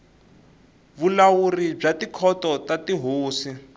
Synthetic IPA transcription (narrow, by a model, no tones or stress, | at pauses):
βulawurib͡ʐatikʰɔtɔtatiɦoːsi